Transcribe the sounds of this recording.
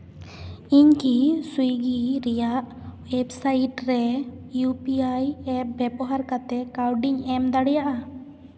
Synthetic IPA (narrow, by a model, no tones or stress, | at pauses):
iɲkisujɡiɾɛjaʔ | wɛbsajiʈɾɛjupiajɛp̚bɛbɔɦaɾkat̪ɛkawɖiɲɛmd̪aɽɛjaʔa